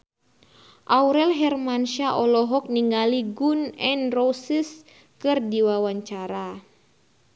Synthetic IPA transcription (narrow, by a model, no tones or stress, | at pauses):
ʔauɾɛlɦɛrmanʃaʔɔlɔɦɔk̚niŋɡaliɡunɛnrɔsis | kɨrdiwawaɲt͡ʃaɾa